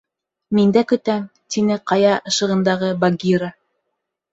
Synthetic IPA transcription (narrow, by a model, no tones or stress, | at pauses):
mind̪ækɵ̆t̪æmt̪inɘqɑjɑʔɤ̆ʃɤ̆ʁɤ̆nd̪ɑʁɤbaɡʲiɾa